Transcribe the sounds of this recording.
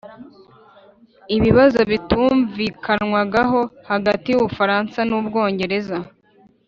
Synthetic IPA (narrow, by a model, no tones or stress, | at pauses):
iβiβazo̞βituːɱvikʰanwaɡaɦo̞haɡatijuβufaɾaːnsanubɡo̞ːɲɟe̞ɾe̞za